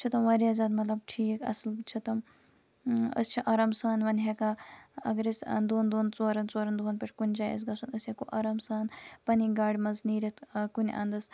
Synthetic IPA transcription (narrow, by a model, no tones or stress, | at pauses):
t͡ʃʰit̪ɐmʋɐɾiɐzɐːd̪mɐt̪lɐb̚ʈʰiːkɐ̰slt͡ʃʰit̪ɐm | ə̰st͡ʃʰiʔaɾamsaːnʋɐnɦekaɐ̰ɡɾisɐ̰nd̪oːnd̪oːnt͡soːɾɐnt͡soːɾɐnd̪uɐnpʲeʈʰʲkunʲd͡ʒaːjḛs̬ɡɐsɐnəsjekoʔɐːɾamsaːnpɐniɡaːɽʲmɐzniːɾʲɐt̪ʰkunʲʔɐ̰nd̪ɐs